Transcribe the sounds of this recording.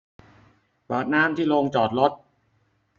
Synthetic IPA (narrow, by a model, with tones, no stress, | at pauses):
pɤː˨˩t̪̚naː˦˥˩mt̪ʰiː˥˩loː˧ŋt͡ɕɔː˨˩t̪̚lo˦˥t̪̚